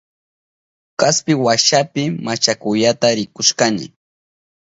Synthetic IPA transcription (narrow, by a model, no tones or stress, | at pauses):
kaspɪwaʃapɪmat͡ʃakʊjat̪aɾɪkʊʃkanɪ̰